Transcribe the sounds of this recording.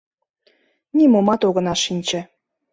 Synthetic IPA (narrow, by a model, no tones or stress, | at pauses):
nʲimomɑt̪oɣə̆nɑʃinʲt͡ɕə̆